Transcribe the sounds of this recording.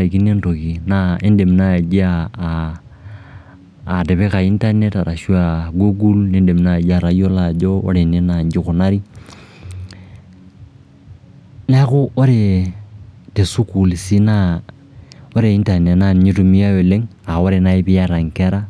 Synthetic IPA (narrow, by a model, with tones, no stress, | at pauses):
a˨ki˦ne˦nto˨ki˨na˦e˦nde˨m˨na˦˨d͡ʒa˦˨ | de˨βe˦ka˨i˦nta˦ne˦ta˨ɾa˨ʃu˦a˨ɡu˦ɡu˦lne˦nde˨m˨na˦˨d͡ʒa˨ɾa˨jo˦la˨d͡ʒo˦o̰˦ɾe˨ne˦na˨ɲd͡ʒɪ˦kʊ˨na˦ɾi˦ | na˦kʊ˦ʔo˦ɾe˨ | te˨su˦ku˨lsi˦na˦ | o˦ɾe˨i˦nta˨ne˨na˦˨ɲi˦tu˨mi˦a˦o˨le˦ŋa˨o˦ɾe˨na˨e˦bɪ˦a˦ɾa˨ŋke˦ɾa˦